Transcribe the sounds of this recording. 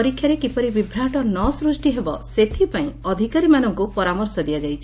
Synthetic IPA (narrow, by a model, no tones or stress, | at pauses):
ɔɾikʰːjaɾekipɔɾibibʱɾaʈɔnɔsɾusʈiɦebɔset̪ʰipaĩɔd̪ʱikaɾimanɔŋkupɔɾamɔɾsɔd̪iad͡ʒajt͡ʃʰi